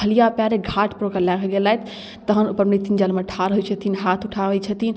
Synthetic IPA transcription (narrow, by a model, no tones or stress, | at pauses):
əlijapjaɾeɡʱaʈʰpɾokəlakʰɡelaɦet̪ʰ | t̪əɦənupəɾmnit̪ind͡ʒalmeʈʰaɾɦujt͡ʃʰət̪ʰiːnɦat̪ʰuʈʰaʋɛt͡ʃʰət̪ʰin